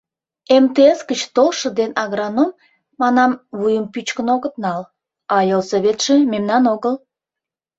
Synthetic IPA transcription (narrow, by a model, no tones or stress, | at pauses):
emt̪eesɡət͡ɕt̪olʃə̆d̪enɑɣɾɑnomː | ɑnɑmβujəmpyt͡ɕkənoɣət̪̚nɑl | ɑjolsoβet̪ʃĕmemnɑnoɣəl